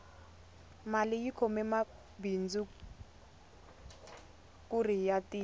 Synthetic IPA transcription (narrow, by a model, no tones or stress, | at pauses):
malɪjikʰɔmɛma | bind͡zu | kurijatiː